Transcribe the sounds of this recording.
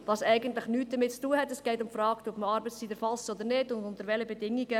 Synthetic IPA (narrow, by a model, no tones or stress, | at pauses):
ʋɑsɛɪɡəntlɪχnyːt̚d̥əmɪt̚t͡stuːəhɛtɛsɡ̥ɛɪtʊmfɾɑːkt̪ɔpməɑɾbət͡st͡sid̪əɾfɑlsɔd̪əɾnɪdʊndʊnt̪əɾʋɛləbɛdɪŋːiɡə